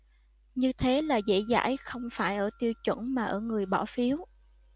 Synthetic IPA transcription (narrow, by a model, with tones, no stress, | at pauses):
ɲɨ˧t̪ʰe˨˦laː˨˩zḛ˧˥˨za̰ː˧˥jxə˧wŋ͡mfaː˧˩jʔəː˧˩t̪i˧əwt͡ɕwə̰˧˩˥nmaː˨˩ʔəː˧˩ŋɨ˨˩əjɓɔ̰˧˩fi˨˦əw